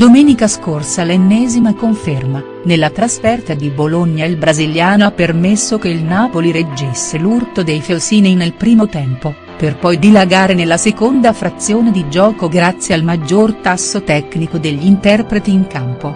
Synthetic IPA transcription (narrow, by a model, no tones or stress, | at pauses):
d̪omɛːnikaskorsalenːɛːzimakoɱferma | nelːat̪ɾasfɛrt̪ad̪iboloɲːailbɾaziljaːnoapːermesːokeilnaːpoliɾed͡ʒːesːelurt̪od̪ejfelsiːnɛjnelpɾiːmot̪ɛmpo | perpɔjd̪ilaɡaːɾenelːasekond̪afɾat̪sːjoːned̪id͡ʒɔːkoɡɾat̪sːjealmad͡ʒːort̪asːot̪ɛknikod̪eʎːint̪ɛrpɾet̪iːŋkampo